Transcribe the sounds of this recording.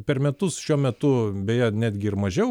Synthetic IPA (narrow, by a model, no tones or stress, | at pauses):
pʲɛɾmʲɛt̪ʊsʃʲuɔmʲɛt̪ʊbʲejɛnʲæːd̪ʲɡʲɪɪɾmɐʒʲɛʊ